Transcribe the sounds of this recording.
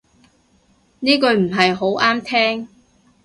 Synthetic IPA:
niː˥kɵ˧ɥm̩˨˩ɦɐ˨jɦo˨˥wʔaː˥mt̪ʰɛː˥ŋ

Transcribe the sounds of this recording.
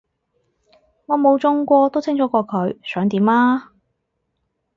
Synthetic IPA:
ŋɔː˨˧mo˨˧wt͡sʊ˧ŋkʷɔː˧t̪o˥wt͡sʰɪ˥ŋt͡ʃʰɔː˨˥kʷɔː˧kʰɵ˨˧ɥsœː˨˥ŋt̪iː˨˥maː˥

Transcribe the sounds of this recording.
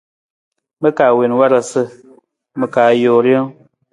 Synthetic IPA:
mə˦ka˨we˨n˦wa˦ɾa˨sə˦ | mə˨kaː˨jo˨ɾjo˦

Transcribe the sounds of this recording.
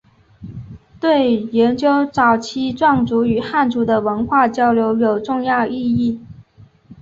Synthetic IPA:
t̪we˥˩ɪjɛ˧˥nt͡ɕjo˥ʊt͡sɑ˨˩ʊt͡ɕʰi˥ʈ͡ʂwɑ˥˩ŋt͡su˧˥y˨˩xa˥˩nʈ͡ʂu˧˥d̪ə˧wə˧˥nxwa˥˩t͡ɕjɑ˥ʊljo˧˥ʊjo˨˩ʊʈ͡ʂʊ˥˧ŋjɑ˥˧ʊʔi˥˧i˥˩

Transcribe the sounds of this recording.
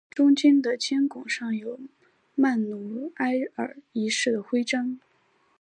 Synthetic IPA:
ʈ͡ʂʊ˥ŋt͡ɕi˥nd̪ə˨t͡ɕʰjɛ˥nkʊ˨˩ŋʂɑ˥˩ŋjo˨˩˦ʊ | ma˥˩nnu˧˥a˥ɪə̰˞˨˩˦i˧˥ʂɻ̩˥˩d̪ə˩xwe˥ɪʈ͡ʂɑ˥ŋ

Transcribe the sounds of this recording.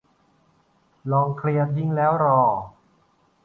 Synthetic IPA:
lɔː˧ŋkʰli˧ənji˧˥˩ŋlɛː˦˥wɾɔː˧˩

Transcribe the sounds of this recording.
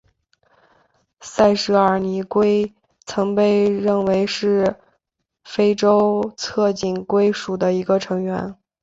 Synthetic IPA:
sa˥˩ɪʂɻ̩˧˥ə˞˨˩ni˧˥kwe˥ɪ | t͡sʰɤ˧˥ŋpe˥˧ɪɻə˥˩nwe˧˥ɪʂɻ̩˥˩ | fe˥ɪʈ͡ʂo˥ʊt͡sʰɤ˥˧t͡ɕi˨˩nkwe˥ɪʂu˨˩d̪ə˦i˧˥ɡə˧ʈ͡ʂʰɤ˧˥ŋɥɛ̰˧˥n

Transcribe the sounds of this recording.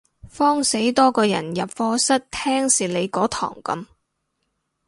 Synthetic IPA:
fɔː˥ŋse˨˥jt̪ɔː˥kɔː˧jɐ̰˨˩njɐ˨p̚fɔː˧˥sɐ˥t̚t̪ʰɛː˥ŋsiː˨le˨˧jkɔː˨˥t̪ʰɔ̰ː˨˩ŋkɐ̰˨˥m

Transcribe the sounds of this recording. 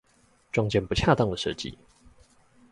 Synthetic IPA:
ʈ͡ʂɑ˥ŋt͡ɕɛ˥˧npu˧˥t͡ɕʰja˥˧t̪ɑ˥˨˩ŋd̪ə˨˩ʂə̰˥˧t͡ɕḭ˨

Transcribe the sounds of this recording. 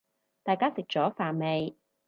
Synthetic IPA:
t̪aː˨jkaː˥sɪ˨k̚t͡ʃɔː˨˥faː˨˩nme˨˧j

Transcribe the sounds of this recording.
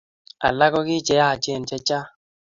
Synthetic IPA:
a̰˨la˦kɔ˦kɪ˦t͡ʃɛ˨˦ja˦˨t͡ʃe˦˨n˨t͡ʃɛ˦t͡ʃa˦

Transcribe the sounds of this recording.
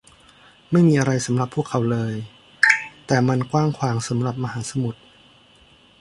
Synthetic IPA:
ma˥˩jmiː˧ʔa˧ɾa˧jsa˩˦mɾa˨˩pʰːu˥˩kʰːa˩˦wlɤː˧j | t̪ɛː˨˩ma˧nkwaː˥˩ŋkʰwaː˩˦ŋsa˩˦mɾa˨˩p̚ma˧haː˩˦sa˧mu˨˩t̪̚

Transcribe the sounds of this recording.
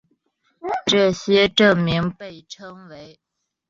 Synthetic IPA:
ʈ͡ʂɤ˥˩ɕjɛ˥ʈ͡ʂɤ˥˩ŋmi˧˥ŋpe˥˩ɪʈ͡ʂʰɤ˥ŋwe˧˥ɪ

